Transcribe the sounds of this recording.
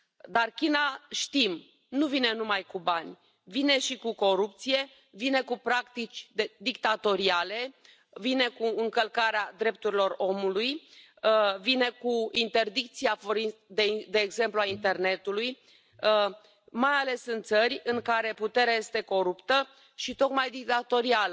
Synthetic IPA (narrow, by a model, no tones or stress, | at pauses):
d̪arkʲinaʃt̪im | nuvine̞numajkubanʲ | vine̞ʃikuko̞ɾupt̪sije̞ | vine̞kupɾakt̪it͡ʃʲd̪ed̪ikt̪at̪o̞ɾiale̞ | vine̞kuɨŋkəlkaɾead̪ɾe̞p̚t̪uɾilo̞ro̞muluj | vine̞kuint̪e̞rd̪ik̚t̪siafoɾid̪ed̪e̞ːɡze̞mpluaint̪e̞rne̞t̪uluj | majale̞sɨnt̪t̪sərʲɨŋkaɾe̞put̪e̞ɾeaje̞st̪e̞ko̞ɾupt̪ə | ʃit̪o̞kmajd̪ik̚t̪at̪o̞ɾialə